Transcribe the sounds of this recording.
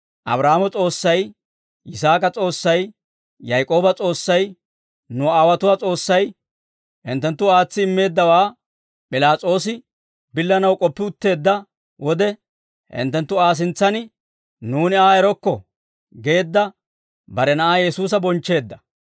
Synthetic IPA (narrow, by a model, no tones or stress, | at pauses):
ʔɐ̰bɾaːmɔt͡sʼo̞ːsːɐj | ʔɪsaːkʼɐt͡sʼo̞ːsːɐj | jɐjkʼo̞ːbɐt͡sʼo̞ːsːɐj | nʊaːwɐt̪ʊwaːt͡sʼo̞ːsːɐj | hɪ̰nt̪ːɛnt̪ːʊaːt͡sːɪːmːe̞ːd̪ːɐwaː | pʼɪlaːt͡sʼo̞ːsɪ | bɪlːɐnɐwkʼɔpːɪʊt̪ːe̞ːd̪ːɐ | wʔɔd̪ɛ | hɪ̰nt̪ːɛnt̪ːʊaːs̬ɪnt͡sːɐnɪ | nuːnɪaːɛɾɔkːɔ | ɡe̞ːd̪ːɐ | bɐɾɛnɐʔaːjɛsuːs̬ɐbɔnt͡ʃːe̞ːd̪ːɐ